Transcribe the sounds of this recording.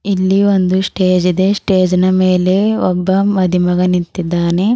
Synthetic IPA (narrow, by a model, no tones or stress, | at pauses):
ilːiond̪usʈeːd͡ʒid̪e̞sʈeːd͡ʒɐnɐmeːle̞ɔbːɐmɐd̪ʱimɐɡɐnint̪id̪ːaːne̞